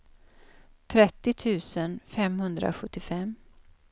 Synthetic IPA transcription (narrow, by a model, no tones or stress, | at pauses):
t̪ʰɾɛt̪ːɪt̪ʰʉ̟ːsənfɛmhɵnd̪ɾa̰ɧɵt̪ːɪfɛm